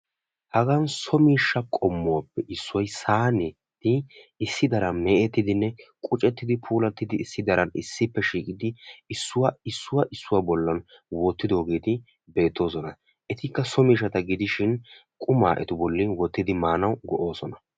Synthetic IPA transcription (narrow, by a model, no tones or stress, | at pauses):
hɐɡɐnsɔmiːʃːɐkʼɔmːɔwapːɛʔɪsːʊɔjsaːnɛ | t̪ɪɪsːɪd̪ɐɾɐmɛʔɛt̪ːɪd̪ɪnːɛkʼʊt͡ʃʼɛt̪ːɪd̪ɪpʰuːlɐt̪ːɪd̪ɪːsːɪd̪ɐɾɐnɪ̰sːɪpːɛʃiːkʼɪd̪ɪɪsːʊwaɪsːʊwɐʔɪsːʊwabɔlːɐn | wɔt̪ːɪd̪o̞ːɡeːt̪ɪ | be̞ːt̪ːo̞ːsɔnɐ | ʔɛt̪ɪkːɐsɔmiːʃːɐt̪ɐɡɪd̪ɪʃɪn | kʼʊmaːʔɛ̰t̪ʊbɔlːɪnwɔt̪ːɪd̪ɪmaːnɐwɡɔʔo̞ːsɔnɐ